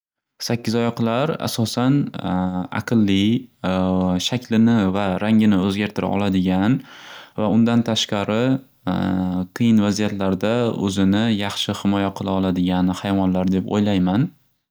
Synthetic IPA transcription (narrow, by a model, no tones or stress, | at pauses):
sakʲːɪzɒjɒqʰlˠaɾa̰sɒsan | a̰qʰɨlˠːi | ʃakʲlɪnɪvaɾaŋʲɪnɪɵzɡʲaɾt̪ʰɪɾʔa̰ʔɒ̰lad̪ɪɡʲanvaʊnd̪ant̪ʰaʃqɑɾɪ | qʰɨjɪnvazijat̪laɾd̪aɵ̰zɪnɪjɑχʃɪhɪmɒjaqʰɨlˠaɒlˠad̪ɪɡʲanhajvɒnlaɾd̪epo̰jlajman